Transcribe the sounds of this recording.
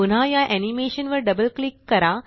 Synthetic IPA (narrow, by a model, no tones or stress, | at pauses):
un̤ɦajaʔɛnimeɕənʋəɾɖəbəlklikːəɾa